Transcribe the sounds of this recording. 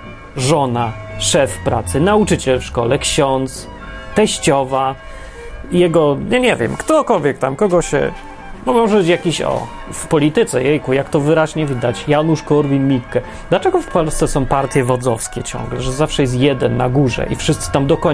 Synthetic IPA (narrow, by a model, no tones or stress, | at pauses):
ʐɔnaʂɛfpɾat̪sɘnaut͡ʂɘt͡ɕɛlfʂkɔlɛkɕɔnt̪s | t̪ɛɕt͡ɕɔva | jɛɡɔɲɛɲɛvʲjɛ̰mkt̪ɔkɔlvʲjɛk̚t̪amkɔɡɔɕɛ̰ | mɔmɔʐɛbɘt͡ɕjakʲiɕɔ̰ | fpɔlʲit̪ɘt̪sɛ̰jɛjkujakt̪ɔvɘɾaʑɲɛvʲid̪at͡ɕjanuʂkɔɾvʲimʲikkɛ | d̪lat͡ʂɛɡɔfpɔlst̪sɛsɔ̃w̃paɾt̪ʲjɛvɔd̪zɔfskʲɛt͡ɕɔ̰̃ŋɡlɛʐɛzafʂɛjɛs̬t̪jɛd̪ɛnːaɡuʐɛ̰ʔifʂɨst̪sɘ̥t̪amd̪ɔkɔ